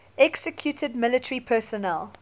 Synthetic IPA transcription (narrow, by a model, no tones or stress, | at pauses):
ɛksəkʰjutʰəd̚mɪlətʰəɹipʰɛsɔnɛlˠ